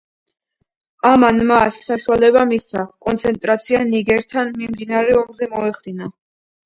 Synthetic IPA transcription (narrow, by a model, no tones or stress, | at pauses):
amanmasːaʃualɛbamisakʼɔnt̪sʰɛnt̪ʼɾat̪sʰianiɡɛɾt̪ʰanmimd̪inaɾɛɔmzɛmɔɛχd̪ina